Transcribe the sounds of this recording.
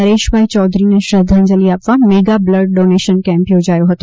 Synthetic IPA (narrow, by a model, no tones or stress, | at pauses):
ɐɾeːʃʋɐɦit͡ɕɔːd̪ʱɾineʃɐd̪ʱɐ̃nd͡ʑəliaːpʋaːnmeːɡablɐɾɖ̚ɖoːneːʃənkɛ̃ːmpijod͡ʑaːjoɦɐt̪õ